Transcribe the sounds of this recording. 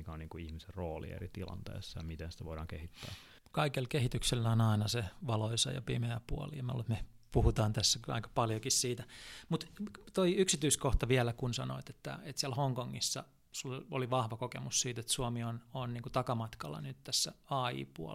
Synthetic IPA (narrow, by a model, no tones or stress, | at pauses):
ikæonniːŋkuihmiserroːlḭḛrit̪ilɑ̰nt̪ḛːsːɑjɑmit̪ensi̥t̪æʋoiɾɑːŋkehit̪ːæ̰ː | kɑikelkehit̪ykselːæonɑinɑseʋɑloisɑ̰jɑ̰pimeæpuoliɑmɑlṵːet̪me | puhut̪ɑːnt̪æsːæɑ̰ikɑ̥pɑljokissiːt̪æmut̪t̪oiyksit̪yiskoht̪ɑʋiælækunsɑno̰it̪et̪ːæ̰et̪siælhoŋkoŋːisːɑ̰ | suloliʋɑhʋɑkokemussiːt̪et̪suomiononniːŋkut̪ɑkɑmɑt̪kɑlːɑ̰nyt̪t̪æsːæɑːḭːpuɔ̰